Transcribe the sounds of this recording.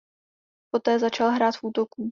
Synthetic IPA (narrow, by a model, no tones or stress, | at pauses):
po̞t̪ɛːzat͡ʃalɦɾaːt̪fuːt̪o̞kuː